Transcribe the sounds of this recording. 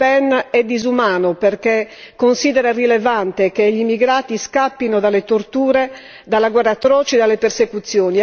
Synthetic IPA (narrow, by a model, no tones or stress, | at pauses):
pɛnɛd̪ːizumaːnopɛrkɛ | kːonsid̪ɛɾarilɛvant̪ɛkeʎimːiɡɾaːt̪iskapːinɔd̪alet̪ort̪uːɾɛ | d̪alːaɡwɛrːat̪ːɾɔːt͡ʃɛd̪alːɛpersekut̪sːjoːni